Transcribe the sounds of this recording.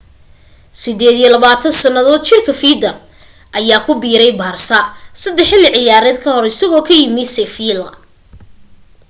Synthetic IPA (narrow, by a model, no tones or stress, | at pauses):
sɪd̪ɛːd̪ijɔlɐβaːt̪ʰɐnsɐnɐðɔːd̪t͡ʃɪrkʰɐfiːd̪ɐr | ʔɐjaːkʰʊbiːɾɛjbaːrsɐsɐd̪ɛħɪlɪʕɪjaːɾɛːd̪̚kʰɐhɔɾɪsɐɣɔːkʰɐjɪmɪsɛfiːlɐ̰